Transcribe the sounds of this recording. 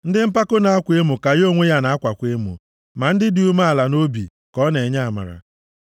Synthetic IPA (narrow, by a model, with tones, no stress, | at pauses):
n̩˦dɪ˦m̩˦pa˦kʊ˦na˨a˦kʷe˦mʊ˨ka˨jo˦˨ŋʷe˦ja˦na˨a˦kʷa˨kʷe˦mṵ˨ | ma˨n̩˦dɪ˦di˦u˦ma˦a˨la˨no˦bḭ˨ | kɔ˦ne˨ɲa˦˨ma̰˨ɾa̰˨